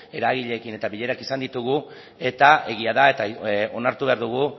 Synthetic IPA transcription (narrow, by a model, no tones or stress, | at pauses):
e̞ɾaɣ̞iʎe̞ːkine̞t̪aβiʎe̞ɾakisand̪it̪uɣu | e̞t̪ae̞ɣiaðae̞t̪ao̞naɾt̪uβe̞aɾðuɣ̞u